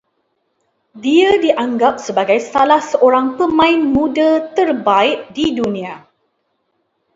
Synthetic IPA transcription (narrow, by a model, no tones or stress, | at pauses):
diadiʔaŋɡap̚səbaɡajsalahsəʔoɾaŋpəmãɪnmũdat̪ərbaɪʔ̚didunĩa